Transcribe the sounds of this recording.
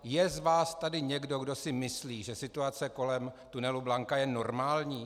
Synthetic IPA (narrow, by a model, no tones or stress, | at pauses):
jɛzvaːst̪adɪɲɛɡdo̞ɡdo̞sɪmɪsliːʒɛsɪt̪uat͡sɛko̞lɛm | t̪unɛlublaŋkajɛno̞ɾmaːlɲiː